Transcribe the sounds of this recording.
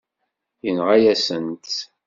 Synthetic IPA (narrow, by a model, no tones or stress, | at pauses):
jənʁajæsənt̪